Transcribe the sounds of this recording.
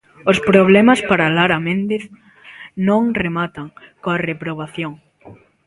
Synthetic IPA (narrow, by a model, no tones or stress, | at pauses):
ospɾoβlɛmaspaɾalaɾamẽnd̪eθ | nõŋremat̪aŋkoarepɾoβ̞aθjoŋ